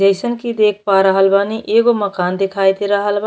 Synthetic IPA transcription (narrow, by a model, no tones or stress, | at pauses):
əɪsənkid̪ek̚ʰpaɾəɦəlbaniʔeɡoməkaːnd̪ekʰajt̪eɾəɦəlb